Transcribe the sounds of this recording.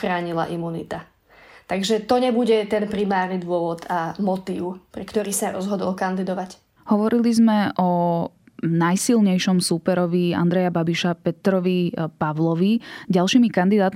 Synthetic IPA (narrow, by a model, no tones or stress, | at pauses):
xɾaːɲila̰ʔimunḭt̪a | t̪aɡʒɛt̪ɔɲɛbuɟɛt̪ɛnpɾimaːɾnid̪ʋʊɔʋɔd̪amɔt̪iːʊpɾɛkt̪ɔɾiːsaɾɔ̰zɦɔd̪ɔlkand̪id̪ɔʋac | hɔʋɔɾilizmɛʔɔ | najsilɲɛjʃɔmsuːpɛɾɔʋia̰nd̪ɾɛjababiʃapɛt̪ɾɔʋipaʋlɔʋiɟalˠʃiːmikand̪id̪aːt̪